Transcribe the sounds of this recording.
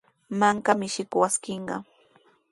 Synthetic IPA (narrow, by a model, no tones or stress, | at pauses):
maŋkamɪʃɪkwaskɪɴɢɑ̰